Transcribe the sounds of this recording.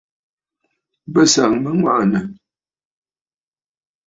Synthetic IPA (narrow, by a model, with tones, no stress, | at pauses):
bə˦˨sa˨ŋmə˦ŋwa̰˦ʔnə˨